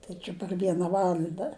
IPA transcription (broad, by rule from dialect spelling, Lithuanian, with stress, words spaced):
ˈtɐɪ t͡ʃʲɪ pɐr ˈʋʲiɛnɐ ˈʋɑːlˠɐndɐ